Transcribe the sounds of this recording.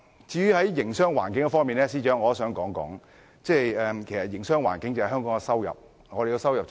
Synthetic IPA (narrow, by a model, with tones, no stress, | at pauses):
t͡siː˨˥jy˨˧˥hɐ˨˥jːɪ˨˩ŋsœː˥ŋwaː˨˩nkɪ˨˥ŋkɛ˧fɔː˥ŋmiː˨nɛː˥s̬iː˥t͡ʃœː˨˥ŋɔː˨˧˥sœː˨˧˥ŋkɔː˨˥ŋkɔ̰ː˨˥ŋ | t͡sɛː˥˩jɛː˨kʰe˨˩jsɐ˨t̚jɪ˨˩ŋsœː˥ŋwa̰ː˨˩nkɪ˨˥ŋt͡sɐ˨hɦœː˥ŋkɔː˨˥ŋɛ˧sɐ˥wjɐ̰˨p̚ | ŋɔː˨˧ɾe˨ji˧wsɐ˥wjɐ˨p̚